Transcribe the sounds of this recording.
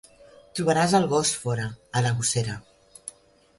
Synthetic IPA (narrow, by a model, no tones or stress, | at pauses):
t̪ɾuβəɾazəlˠɣɔsfɔɾəːləɣuseɾə